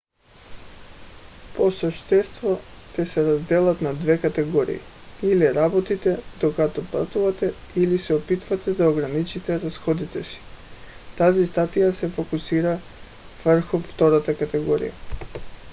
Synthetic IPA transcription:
posəʃt̪ɛst̪vɔc̪ɛsɛɾazd̪ɛlˠat̪nad̪vɛkat̪ɛɡɔɾḭḭ | iliɾabɔt̪it̪ɛd̪okat̪ɔplˠa̰t̪uvat̪ɛ | ilisɛɔpit̪vat̪ɛd̪aoɡɾanit͡ʃit̪ɛɾasxɔd̪it̪ɛsi̥t̪azist̪at̪ijasɛfokusiɾa | v̥r̩xuft̪ɔɾat̪akat̪ɛɡɔɾḭja̰

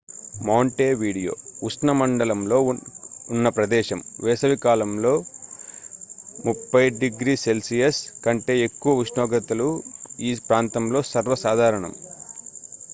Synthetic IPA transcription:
mɐːɳʈeːʋiːɽijo̞̰ːusnɐmɐɳɖɐlɐmlo̞ːunːɐpɾɐd̪ɛːʃɐmʋɛːsɐʋikaːlɐmlo̞ː | mupːɐjɖiɡɾiːse̞lsijɐskɐɳʈe̞ːekːuʋɐʋiʃnɔːɡɐt̪ɐluiːpɾaːnt̪ɐmlo̞ːsɐɾʋɐsaːd̪ʱaːɾɐɳɐ̰m

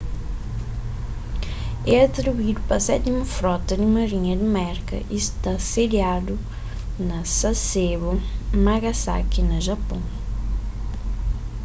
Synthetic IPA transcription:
ɛɐt̪ɾibuid̪upɐsɛt̪imɐfɾɔt̪ɐd̪ɪmɐɾiɲɐd̪ɪmɛɾkɐ̰ʔiʃt̪asediad̪u | nɐsɐseβɐmaɣɐsa̰kinɐʒɐpõ

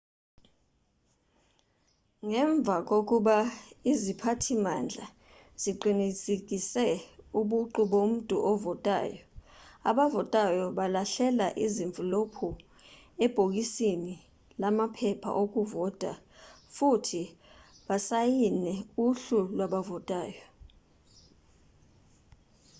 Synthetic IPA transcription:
ŋɛɱb̪vʱak̬ʼok̬ʼuɓaizipʰatʰimand͡ɮʱa | z̥iǃinit͡sʼek̬isɛuɓuǃuɓom̩tʼṵʔɔvɔtʼa̰ːjɔaɓavɔtʼajɔɓalaɬɛlaʔiziɱvʱilopʰu | ɛb̥ʱok̬ʼisini | lamapʰɛpʰa̰ʔok̬ʼuvɔtʼa̰ | futʰi | ɓasajinɛuɬulwaɓavɔtʼaːjɔ

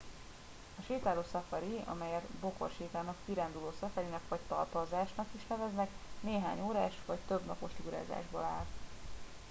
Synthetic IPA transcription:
ɒʃeːt̪aːloːsɒfɒɾiɒ̰mɛjɛrt̪bo̞ko̰rʃeːt̪aːnɒkkiɾand̪uloːsɒfɛɾinɛkʋɒc̚t̪ɒrt̪ɒlzaːʃnɒkiʃnɛvɛznɛkneːɦa̰ːɲoːɾaːʃʋɒct̪øbnɒ̰po̞ʃt̪iuɾa̰ːza̰ːʒbo̰la̰ːl

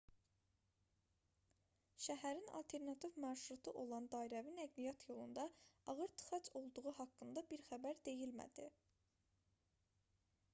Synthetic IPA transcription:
ʃæɦæɾinɑ̰lt̪ʰe̞ɾnɑt̪ʰivmɑɾʃɾut̪ʰuʔo̞lˠɑnd̪ɑːiɾævinæɡlijɑt̪ʰjo̞lˠund̪ɑɑɣɯɾt̪ʰɯ̥χɑt͡ʃʰo̞lˠd̪uʁuɦɑkːɯnd̪ɑbiɾxæbæɾd̪e̞jilmæ̰d̪̥i

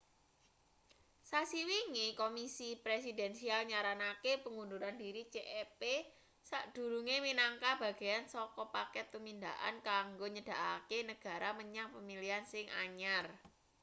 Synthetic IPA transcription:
sasiwiŋikomisipɾesidɛnsialɲaɾanakepəŋund̪uɾandiɾit͡ʃeʔɛpe | saʔd̥ṳɾuŋeminaŋkab̥ä̤ɡ̥e̤jansɔkɔpakɛt̪ːəmind̪aʔa̰nkaŋɡoɲəd̥a̤ʔakenəɡ̥ä̤ɾʔaməɲaŋpəmiliansɪŋaɲar

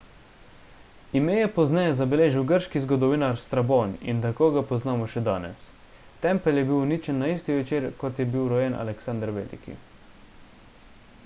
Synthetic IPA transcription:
imeːjɛpɔznɛjɛzabɛleːʒiwɡəɾʃkizɡɔd̪ɔʋiːnaɾst̪ɾaboːnḭnt̪akoːɡapɔznaːmɔʃɛd̪a̰ːnɛ̰s | t̪ɛmpəljɛbiwnit͡ʃɛnːaiːst̪iʋɛt͡ʃeːɾkɔt̪jɛbiwɾɔjenʔa̰lɛksand̪əɾʋḛːlḭkḭ

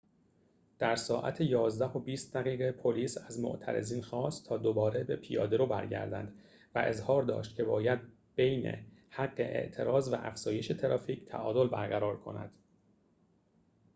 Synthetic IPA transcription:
d̪̥æɾsɒːʔæ̰t̪ʰejɒːzd̪æho̞biːst̪̚d̪æɣiːɣepʰo̞liːsæzmo̰ʔt̪ʰæ̰ɾḛziːnxɒːst̪t̪ʰːɒːd̪obɒːɾebe̞pʰijɒ̰ːd̪eɾoːbæ̰ɾɟæ̰ɾd̪æ̰nd̪ | væʔe̞zhɒːɾd̪ɒ̰ːʃt̪̚cʰe̞bɒːjæd̪̚ | b̥ejnḛhæɡːe̞̰ʔḛʔt̪ʰe̞ɾɒːzvæ̰ʔæ̰fz̥ɒːje̞ʃe̞t̪ʰeɾɒːfiːcʰt̪ʰæ̰ʔɒːd̪o̞lbæɾɡæɾɒːɾkʰo̞̰næ̰d̪̥

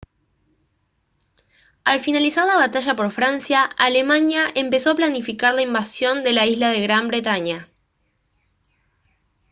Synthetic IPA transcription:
alfinalisaɾlaβat̪aʒapo̞ɾfɾansjaale̞manjaʔe̞mpe̞so̞aplanifikaɾlaimbasjo̞nd̪e̞laizlað̞e̞ɣɾambɾe̞t̪aɲa

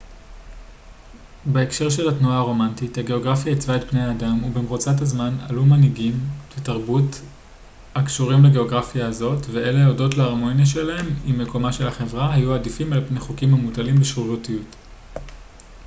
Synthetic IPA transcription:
beekʃe̞ʁʃe̞latnuaaʁo̞mantithaɡe̞o̞ɡʁafjait͡svaetbneaːdamubemʁot͡sathazmana̰lumaniɡimvetaʁbut | hakʃuʁimleɡe̞o̞ɡʁafijaːzo̞tveʔeleaodo̞tleaʁmo̞njaʃe̞laɦe̞mimːe̞ko̞maʃe̞laχe̞vʁaɦajuadifimalpneχukimamutalimleʃʁuʁutijut

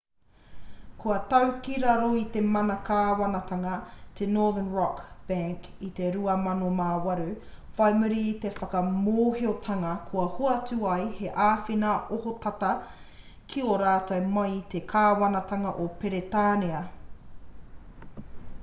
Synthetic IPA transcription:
kuɐtɐwkiɾɐɾoit̪emɐnɐkaːwɐnɐt̪ɐŋɐt̪ʰenoːðənɹɔkb̥æŋk | it̪eɾuɐmɐnomaːwɐɾufajmuɾit̪e̞fɐkɐmoːhiot̪ʰɐŋɐkʰuɐhoɐtuɐjhe̞ʔaːfinɐohot̪ɐt̪ɐ | kʰioɾaːtɐwmɐjt̪ekʰaːwɐnɐt̪ɐŋɐʔopeɾetaːneɐ

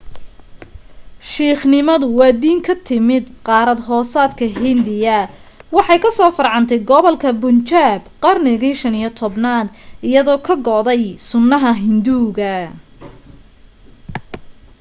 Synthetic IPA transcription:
ʃiːχnɪmɐðʊwɑːd̪iːŋkʰɐt̪ʰɪmɪd̪qɑːɾɐd̪ɦɔːsaːd̪kʰɐɦɪnd̪ɪjɐwɑħɑjkʰɐsɔːfɐrʕɑnt̪ʰɛjɡɔβɔlkʰɐbʊnt͡ʃaːbqɑrnɪɣiʃɐnijɔt̪ʰɔbnaːd̪ʔɪjɐðɔːkʰɐɡɔd̪ɛjsʊnːɐɦɐɦɪnd̪uːɣɐ

